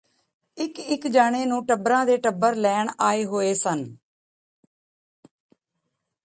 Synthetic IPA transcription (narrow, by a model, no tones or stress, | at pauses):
ɪkɪkd͡ʒaːɽ̃eːnũːʈəbɾãːd̪eːʈəbəɾlɛːɳaːeːɦoːeːsən